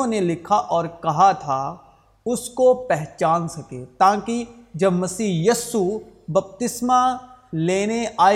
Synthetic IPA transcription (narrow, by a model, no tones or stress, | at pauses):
õnelɪkʰaʔɔːɾkɐɦat̪ʰa | ʊskopɛɦt͡ʃaːnsɐkeːt̪ãːkid͡ʒɐbmɐsiːɦjiːsubɐp̚t̪ɪsmaleːneʔaː